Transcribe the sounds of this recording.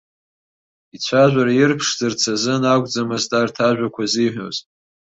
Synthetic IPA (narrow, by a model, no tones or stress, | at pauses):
it͡ɕʷʰaʒᶣʷaɾajɪrpʰʂzɨrt͡sʰazɨnakʷʼd͡zamɨztʰʼartʰaʒᶣʷakʷʰaziħʷᶣo̰z